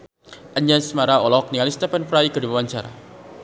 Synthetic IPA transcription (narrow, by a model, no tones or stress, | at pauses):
ʔaɲasmaɾaɔlɔk̚niŋalist̪ɛfɛnfɾajkədibawaɲt͡ʃaɾa̰